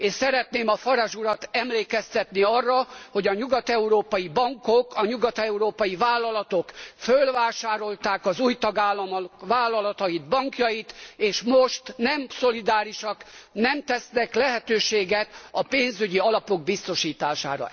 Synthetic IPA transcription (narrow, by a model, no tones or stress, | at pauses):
eːʃsɛɾɛt̪neːmɒfɒɾaʒuɾɒt̪ɛmleːkɛst̪ɛt̪niɒrːɒho̞ɟɒɲuɡɒt̪ɛuɾoːpɒjibɒŋkokɒɲuɡɒt̪ɛuɾoːpɒjivaːlːɒlɒt̪o̞kfølvaːʃaːɾo̞lt̪aːkɒzuːjt̪ɒɡaːlːɒmʋaːlːɒlɒt̪ɒjid̪bɒŋkjɒjit̪eːʃmoʃt̪nɛmso̞lid̪aːɾiʃɒknɛmt̪ɛsnɛklɛɦɛt̪øːʃeːɡɛt̪ɒpeːnzyɟiɒlɒpo̞ɡ̚bist̪o̞ʃiːt̪aːʃa̰ːɾɒ̰